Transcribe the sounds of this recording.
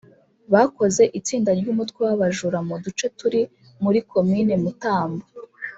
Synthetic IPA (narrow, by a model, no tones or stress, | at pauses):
βako̞ze̞ʔit͡siːndaɾɟumutkwewaβaʒuɾamudut͡ʃe̞tuɾi | muɾikʰo̞mine̞mutaːmbo